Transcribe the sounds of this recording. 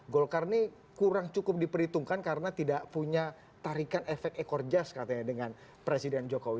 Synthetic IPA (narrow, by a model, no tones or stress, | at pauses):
ɡolkarni | kuɾaŋt͡ʃukʊp̚dipəɾit̪uŋkankaɾənat̪idaʔpuɲa | t̪aɾikanefɛk̚t̪ekɔrd͡ʒaskat̪aɲadəŋan | pɾesidɛnd͡ʒokowi